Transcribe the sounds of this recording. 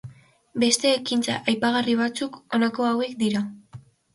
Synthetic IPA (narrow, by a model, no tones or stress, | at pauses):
be̞st̪e̞ːkint͡sa̰ʔajpaɣ̞ariβ̞at͡suko̞nako̞awe̞kd̪iɾa